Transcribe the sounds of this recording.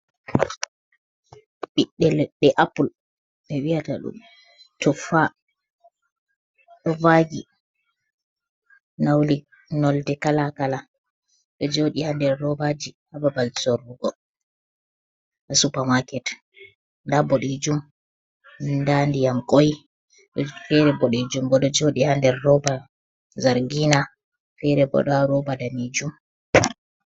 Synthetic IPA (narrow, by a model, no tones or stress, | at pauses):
ɓiɗːɛlɓɛʔapul | ɓɛwiata̰ɗṵm | tɔfa | ɗɔvaɡi | nawli | nɔldɛkalakala | ɗɔd͡ʒoɗihandɛɾɾɔbad͡ʒihababalsoɾuɡɔ | ʔasupamakɛt | ndaboɗid͡ʒum | ndandijamkoj | ɗɔfɛɾɛbɔɗid͡ʒumbɔɗɔd͡ʒoɗihandɛɾːɔba | zaɾɡina | fɛɾɛbɔ̰ɗɔɾɔbadanid͡ʒum